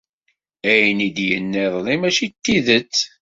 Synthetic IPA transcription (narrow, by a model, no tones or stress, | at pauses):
æjnid̪jənːeðˤlimæʃit̪ːiðət͡sː